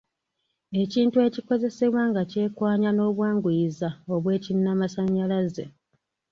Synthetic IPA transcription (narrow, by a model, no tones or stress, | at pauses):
e̞ciːntue̞ciko̞ze̞se̞βwaːŋɡace̞ːkwaːɲano̞ːβwaːŋɡujizao̞βwe̞ːcinːamasaɲːalaze